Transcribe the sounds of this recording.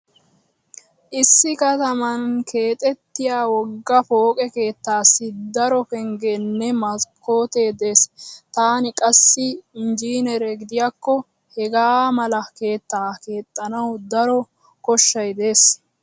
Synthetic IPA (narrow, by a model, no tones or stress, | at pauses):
ʔɪsːɪkɐt̪ɐmɐnkʰe̞ːt̪ʼɛt̪ːɪjaːwɔɡːɐfo̞ːkʼɛke̞ːt̪ːaːsːɪd̪ɐɾɔkɛŋɡenːɛmɐko̞ːt̪e̞ːd̪e̞ːst̪aːnɪkʼɐsːɪɪnd͡ʒiːnɛɾɛɡɪd̪ɪjakːɔ | hɛɡaːmɐlɐke̞ːt̪ːaːke̞ːt̪ʼːɐnɐwd̪ɐɾɔ | kɔʃːɐjd̪e̞ːs